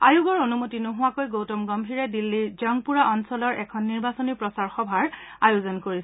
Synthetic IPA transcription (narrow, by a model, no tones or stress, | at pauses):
ajuɡɔɹonumotinɔɦʊwakojɡowtɔmɡɔmbʱiɹɛdilːizɔŋpuɹaʔɔnsɔlɔɹʔɛkʰɔnːiɹbasonipɹɔsaɹxɔbʱaɹajozɔnkoɹis